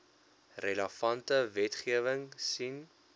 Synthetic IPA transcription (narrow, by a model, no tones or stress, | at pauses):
rələfɐntəvɛtχiəvəŋsin